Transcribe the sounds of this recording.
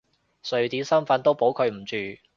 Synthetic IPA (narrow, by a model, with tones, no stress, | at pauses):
sɵ˨ɥt̪iː˨˥sɐ˥mfɐ˨˥nt̪o˥wpo˨˥wkʰɵ˨˧ɥm̩˨˩t͡ʃyː˨